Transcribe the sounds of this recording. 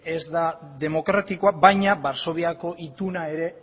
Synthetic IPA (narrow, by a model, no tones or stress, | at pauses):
e̞zd̪aðe̞mo̞kɾat̪ikoabajɲabaɾso̞β̞iako̞ʔit̪unae̞ɾe̞